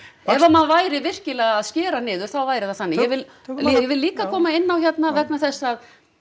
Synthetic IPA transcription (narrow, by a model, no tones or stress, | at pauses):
ɛvamanvaːjɾɪvɪr̥cɪlɛɣaaðscɛːɾanɪːðʏɾ̥θawvaːjɾɪθaθanːɪjɛvɪl | jɛvɪlːiːkakʰɔːmaɪnːawçɛt̪navɛknaθɛsːað